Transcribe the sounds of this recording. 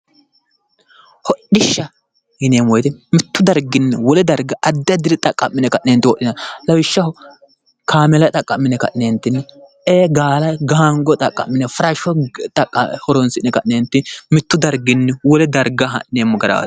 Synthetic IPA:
hɔɗɪʃːɐ | hɪneːmwɔjd̪ɛmɪt̪ːʊd̪ɐɾɡɪnːɛwɔlɛd̪ɐɾɡɐʔɐd̪ːɪjɐd̪ɪɾɛt̪ʼɐkʼːɐmːɪnɛkɐʔneːnt̪ːɪwɔʔɪnɐlɐwɪʃːɐhɔ | kʰaːmɛlɐt̪ʼɐkʼːɐmːɪnɛkɐ̰ʔnent̪ːɪnːɛ | eːɡaːlɐɡaaŋɡɔt̪ʼɐkʼːɐ̰mːɪnɛfɐɾɐʃɔt̪ʼɐkʼːɐhɔɾɔnsɪnɛkɐʔneːnt̪ːɪmɪt̪ːʊd̪ɐɾɡɪnːɛwɔlɛd̪ɐɾɡɐɦɐ̰ʔneːmːɔɡɐɾɐ̰d̪

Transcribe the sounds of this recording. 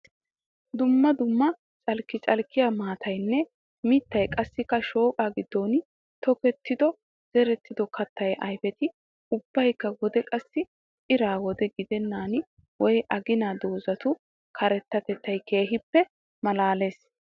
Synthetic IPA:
d̪ʊmːɐd̪ʊmːɐ | t͡sʼɐlkːɪt͡sʼɐlkːɪjamaːt̪ʰɐjnːɛ | mɪt̪ːɐjkʼɐsːɪkːɐʃo̞ːkʼaɡɪd̪ːoːn | t̪ɔkɛt̪ːɪd̪ɔ | z̥ɛɾɛt̪ːɪd̪ɔkɐt̪ːɐjʔɐjfɛt̪ɪ | ʊb̥ːɐjkːɐɡɔd̪ɛkʼɐsːɪ | ɪɾaːwɔd̪ɛɡɪd̪ɛnːaːn | wɔjʔɐɡɪnaːd̪oːzɐt̪ʊ | kʰɐɾɛt̪ːɐt̪ɛt̪ːɐjke̞ːɦɪpːɛ | mɐlaːle̞ːs

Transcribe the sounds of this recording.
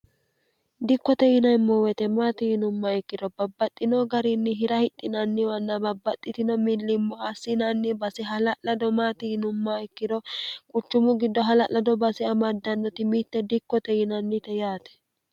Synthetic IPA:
d̪ɪkːɔt̪ɛjɪnɐjmːɔwɛt̪ɛmaːt̪ɪhɪnʊmːɐɛkːɪd̪ɔbɐbːɐt̪ʼːɪnɔɡɐɾɪnːɪɦɪɾɐhɪt̪ʼːɪnɐnːɪwɐnːɐbɐbːɐt̪ʼːɪt̪ɪnɔmɪlːɪmːɔhɐsːɪnɐnːɪbɐsɪɦɐlɐʔɐd̪ɔmaːt̪ɪɪnʊmːaɪkːɪd̪ɔkʼʊt͡ʃːʊmʊɡɪd̪ːɔɦɐlɐʔlɐd̪ɔbɐsɪɐmɐd̪ːɐnːɔt̪ɪmit̪ːɛd̪ɪkːɔt̪ɛjɪnɐnːɪt̪ɛjaːt̪ɛ̥

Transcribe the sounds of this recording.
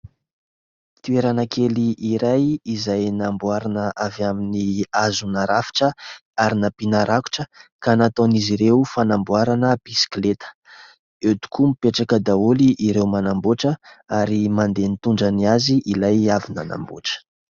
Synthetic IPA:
t̪ueɾanakʰeliʔiɾajizajnambuaɾanəʔavjaminiazunaɾafi̥ʈ͡ʂəaɾinapinaɾaku̥ʈ͡ʂəkanat̪oniziɾewfanambwaɾanəb̥isi̥klet̪ə̥ | et̪u̥kʰumipeʈ͡ʂakəd̪auliʔiɾewmanamboʈ͡ʂəaɾimand̪enit̪uɳɖ͡ʐəniaziʔilajavina̰na̰mbo̰ʈ͡ʂə̥

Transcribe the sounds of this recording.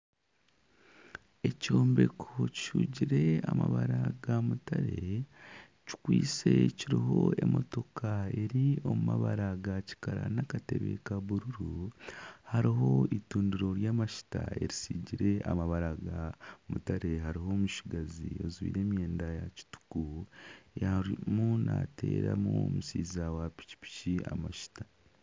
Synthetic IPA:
e̞co̞ːmbe̞kʰoci̥ʃuːɟiɾe̞amaβaɾaɡamutaɾe̞ | ci̥kwiːt͡se̞ciɾiɦo̞e̞mo̞to̞kʰae̞ɾio̞mumaβaɾaɡaci̥kaɾa̰nakate̞βe̞̰kaβuɾuɾu | haɾiɦo̞ituːndiɾo̞ɾjaːmaʃi̥taeɾisiɟiɾeʔa̰maβaɾaɡamutaɾe̞ɦaɾiɦo̞ːmuʃiɡaziozwḭːɾe̞ːmje̞ːndajaci̥tu̥kujaɾimunate̞ːɾamuomusiːzawapi̥ci̥pi̥cia̰maʃi̥tḁ

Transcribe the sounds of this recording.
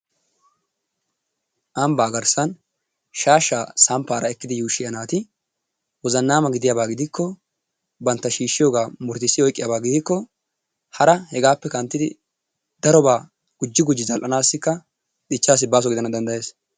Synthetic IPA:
ʔɐmbaːɡɐɾsɐn | ʃaːʃːaːsɐmpːaːɾɐɛkːɪd̪ɪjuːʃːɪjɐnaːt̪ɪ | wɔzɐnːaːmɐɡɪd̪ɪjabaːɡɪd̪ɪkʰːɔ | bɐnt̪ːɐʃiːʃːɪjoːɡaːmʊɾt̪ɪsːɪɔjkʼːɪjaːbaːɡɪd̪ɪkːɔ | hɐɾɐhɛɡaːpːɛkɐnt̪ːɪd̪ɪ | d̪̥ɐɾɔbaː | ɡ̥ʊd͡ʒːɪɡʊd͡ʒːɪzɐlʔɐnaːsːɪkːɐ | ᶑ̪ɪt͡ʃːaːs̬ːɪbaːs̬ɔɡɪd̪ɐnɐd̪ɐnd̪ɐje̞ːs

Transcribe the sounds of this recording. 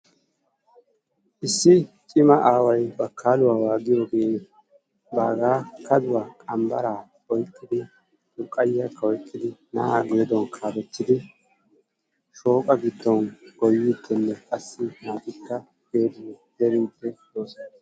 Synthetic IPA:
ʔɪsːɪ | t͡ʃʼɪmɐʔaːwɐjbɐkʰːaːlʊwaːwaːɡɪjo̞ːɡe̞ː | ba̰ːɡaːkʰɐd̪ʊwaːkʼɐmbɐ̰ɾaː | ɔjkʼːɪd̪ɪ | lʊkʼːɐjːakːɐɔjkʼːɪd̪ɪna̰ːaɡe̞ːd̪ɔnkʰaːbɛt̪ːɪd̪ɪ | ʃo̞ːkʼɐɡɪd̪ːɔnɡ̥ɔjːiːd̪ːɛnːɛkʼɐsːɪnaːt̪ɪkːɐ | ɡ̥eːd̪ʊd̪̥ɛɾɪntːɛj̪oːsɐ

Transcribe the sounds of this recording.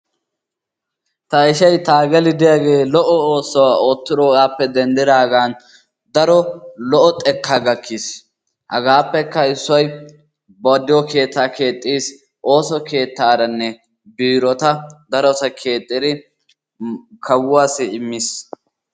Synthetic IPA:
t̪ɐɪʃɐjt̪aːɡɛlɪd̪ɪjaːɡe̞ːlɔʔɔoːsːɔwaːo̞ːt̪ːɪd̪ɔɡaːpːɛd̪ɛnd̪ɪd̪aːɡaːn | d̪ɐɾɔlɔʔɔt̪ʼɛkːaːɡɐkʰːis | hɐɡaːpːɛkːɐɪsːɔj | bɔd̪ɪjɔke̞ːt̪ːaːke̞ːt̪ʼːiːs | ʔo̞ːsɔke̞ːt̪ːaːɾɐnːɛ | biːɾɔt̪ɐd̪ɐɾɔsɐkʰe̞ːt̪ʼːɪd̪ɪ | kʰɐwʊwaːsɪɪmːis

